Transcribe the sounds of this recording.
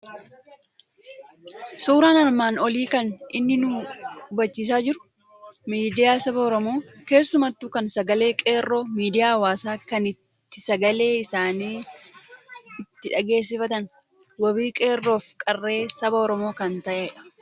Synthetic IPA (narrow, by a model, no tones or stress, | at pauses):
suːɾaːnɐɾmaːnɔliːkɐnʔɪnːɪnʊbɐt͡ʃːiːs̬aːd͡ʒɪɾʊ̥ | miːd̪ɪjaːsɐbɐɔɾɔmo̞ː | ke̞ːsːʊmɐt̪ːukɐnsɐɡɐle̞ːkʼe̞ːrːo̞ːmiːd̪ɪjaːwaːsaːkɐnɪt̪ːɪsɐɡɐle̞ːɪsaːniː | ɪt̪ːɪᶑɐɡe̞ːsːɪfɐt̪ɐn | wɐbiːkʼe̞ːrːo̞ːfkʼɐrːe̞ːsɐbɐɔɾɔmo̞ːkɐnt̪ɐʔe